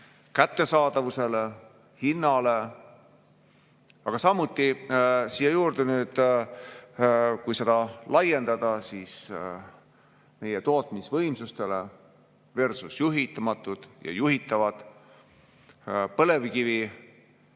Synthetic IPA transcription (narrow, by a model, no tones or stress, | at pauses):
kæt̪ːe̞sɑːd̪̥ɑvuse̞le | hinːɑle̞ | ɑɡ̥ɑsɑmːut̪ːˑisijejuːɾd̪e̞nyːd̪̥ | kujse̞d̪̥ɑlɑje̞nd̪̥ɑd̪̥ɑsiːs | me̞jet̪o̞ːt̪ˑmisvɤjmsust̪e̞le | ve̞rsusjuɦit̪ːˑɑmɑt̪ːˑud̪̥jɑ̰juɦit̪ːˑɑvɑd̪̥ | pɤ̞le̞vkivi